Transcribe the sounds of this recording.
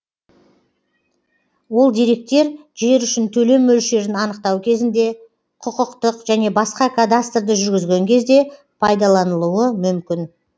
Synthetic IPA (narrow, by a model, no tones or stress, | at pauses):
wo̞lˠd̪ijɾe̞k̚t̪e̞ɾʒe̞ɾʏʃɪnt̪ʰɵle̞mːɵlʃe̞ɾɪnɑnəq̚t̪ɑwkʲʰe̞zɪnd̪e̞ | qʰʊqəqt̪əqʒæne̞bɑsqɑkʰad̪ast̪rd̪əʒʏɾɡʲɪzɡʲe̞ŋkʲʰe̞zd̪e̞ | pʰɑjd̪ɑlˠɑnəlˠuəmʏmkʲɪn